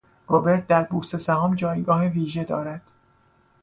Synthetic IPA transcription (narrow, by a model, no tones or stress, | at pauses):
robe̞ɾt̪̚d̪æɾbuːst̪e̞sæhɒːmd͡ʒɒːjɡɒːɦeviːʒe̞d̪ɒ̰ːɾæd̪̥